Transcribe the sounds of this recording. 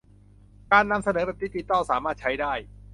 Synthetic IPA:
kaː˧nːa˧msa˧nɤː˩˦bɛ˨˩p̪̚iː˦˥˩t͡ɕi˨˧˩t̪ɔː˥˩wsaː˩˦maː˥˩t̪̚t͡ɕʰa˦˥jdaː˥˩j

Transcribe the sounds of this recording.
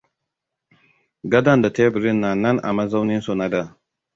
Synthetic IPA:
ɡɐ˦da˦˨nda˨te˦bɪ˨ɾɪ˦nːa˨nɐ˦nʔa̰˨ma˦za˦wnɪ˦nso˨na˦da˦˨

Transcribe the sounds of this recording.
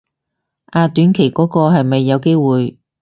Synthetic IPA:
ʔaː˨˧t̪yː˨˥nkʰe˨˩jkɔː˨˥kɔː˧ɦɐ˨jmɐ˨jːɐ˨˧wke˥jwuː˨j

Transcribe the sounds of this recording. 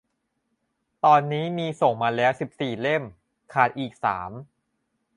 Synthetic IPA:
t̪ɔː˧nːiː˦˥miː˧so˨˩ŋmaː˧lɛː˦˥wsi˨˩p̚siː˨˩le˥˩m | kʰaː˨˩t̪̚ʔiː˨˩k̚sa̰ː˩˦m

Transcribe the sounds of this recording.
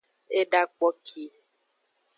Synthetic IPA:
e˦ɖa˦k͡pɔ˦kʰi˦

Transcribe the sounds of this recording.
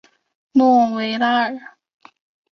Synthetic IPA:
nɔ˥˩˨we˧˥ɪla˥ə˨˩

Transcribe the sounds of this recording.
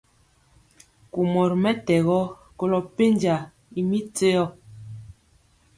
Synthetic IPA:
ku˨mɔ˨ɾmɛ˦tɛ˨ɣɔ˦ | ko˦lɔ˨pe˦nd͡ʒa˨ | i˨mi˦t͡se˦jɔ˦˨

